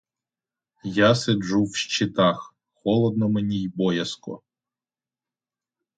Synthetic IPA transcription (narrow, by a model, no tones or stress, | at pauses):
jased͡ʒuwʃt͡ʃɪt̪ɑx | xɔlˠɔd̪nɔmenʲijbɔjɐskɔ̰